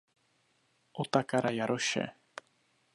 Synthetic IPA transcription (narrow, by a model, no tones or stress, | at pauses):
ʔot̪akaɾajaɾoʃɛ̰